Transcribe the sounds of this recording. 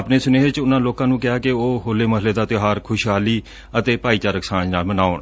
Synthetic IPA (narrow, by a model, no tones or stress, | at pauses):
əpneːsʊneːɦet͡ʃʊnãːloːkãːnũːkɪaːkɪoːɦoːleːməɦɪleːd̪aːt̪joɦaːɾkʰʊʃɦaːliː | ət̪eːpaːiːt͡ʃaːɾəksãːd͡ʒnaːlmənaːoːɳ